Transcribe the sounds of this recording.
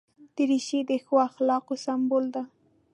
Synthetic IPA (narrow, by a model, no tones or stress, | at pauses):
d̪̥ɪɾɪʃid̪ɪxwaxlɑːqosambʊld̪a